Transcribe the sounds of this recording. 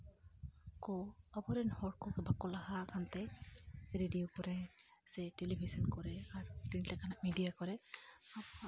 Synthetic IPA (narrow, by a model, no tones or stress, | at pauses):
kɔabɔɾɛnhɔɹ̚kɔkɛbakːɔlahakʰantɛ | ɹedijokɔɹɛsɛtelibʱisɔnkɔɹɛaɹkintlakanamidijakɔɹɛa